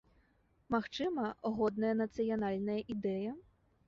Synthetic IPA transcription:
maxt͡ʂɨmɐɣɔd̪nɐjɐnɐt̪sɨjɐnalʲnɐjɐʔid̪ɛjɐ

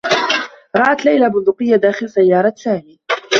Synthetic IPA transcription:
ɾˤɑʔat̪lajlabʊnd̪ʊqɨjːad̪aːxɪlsajːɑːɾˤɑsaːmiː

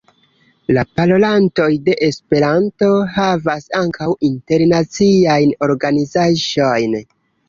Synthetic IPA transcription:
lapalo̞lanto̞jde̞ʔespe̞ɾanto̞havasaŋkʰawinte̞ɾnat͡siajno̞ɾɡanizaʒo̞jn

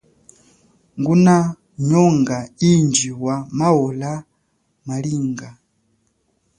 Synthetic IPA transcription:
ŋɡuna | ɲɔŋɡaind͡ʒiwamaɔla | maliːŋɡa

